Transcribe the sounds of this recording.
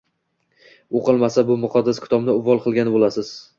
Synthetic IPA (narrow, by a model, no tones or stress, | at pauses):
oqɨlˠmasabʊmʊqʰɑd̪ːaskʰʲɪ̥t̪ʰɒbnɪʊvːɒlˠqʰɨlˠɡʲanɪbolˠasɪz̥